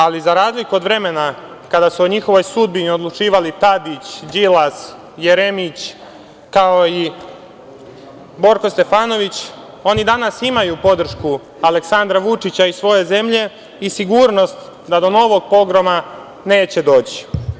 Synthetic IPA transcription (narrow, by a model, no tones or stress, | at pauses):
alizaɾaːzlikuod̪ʋɾe̞me̞na | kad̪asuoɲixo̞ʋo̞jsud̪̚biniod̪lˠut͡ʃiːʋalit̪ad̪it͡ɕd͡ʑilas | jeɾe̞mit͡ɕ | kaoi | bo̞ɾko̞st̪e̞faːno̞ʋit͡ɕ | o̞nid̪anasimajupo̞d̪r̩ʃku | ale̞ksand̪ɾaʋut͡ʂit͡ɕaisʋo̞je̞ze̞mʎe̞ | isiɡuːɾno̞st̪ | d̪ad̪o̞no̞ʋo̞ɡ̚po̞ɡɾoma | ne̞ːt͡ɕe̞d̪o̞ːt͡ɕi̥